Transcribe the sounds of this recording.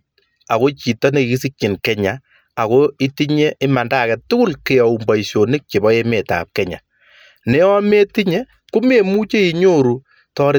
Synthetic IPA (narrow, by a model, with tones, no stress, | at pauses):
a˨ko˦t͡ʃi˨tɔ˦ne˨ɡi˦si˦k̚t͡ʃɪ˨nkɛ˦ɲa˨ | a˨ko˦i˦ti˦ɲe˦ɪ˦ma˨nda˦˨kɛ˨tʊ˦kʊ˦lke˨ɔ˨u˨mba˨isjo˨nɪ˦k̚t͡ʃe˨bɔ˦e˦me˨ta̰ː˨p̚kɛ˦ɲa̰˨ | ne˦ɔ˦me˦ti˦ɲe˦ | ku˦me˨mu˦t͡ʃe˦i˨ɲo˦ɾu˨ | tɔ˦ɾɪ˦